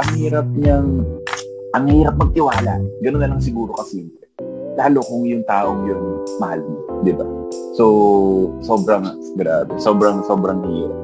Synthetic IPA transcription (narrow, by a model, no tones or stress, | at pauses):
ʔɐŋhiːɾɐp̚ɲɐŋ | ʔɐŋhiːɾɐp̚mɐɡ̚t̪ɪwaːla̰ɡɐnonːɐlɐŋs̬ɪɡuːɾo̞kɐsin | laːlokʊŋjʊŋt̪aːʔoŋjʊnmɐhalmd̪ɪba̰so | so̞ːbɾɐŋ | ɡɾaːbɛso̞ːbɾɐŋso̞ːbɾɐŋhiːɾɐ̰p̚